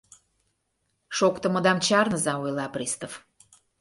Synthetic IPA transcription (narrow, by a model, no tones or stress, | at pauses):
ʃokt̪ə̆mə̆d̪ɑmt͡ɕɑrnəzɑojlɑprʲist̪of